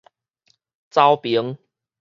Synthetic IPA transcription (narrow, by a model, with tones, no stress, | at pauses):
t͡sa˦wpi˨˦əŋ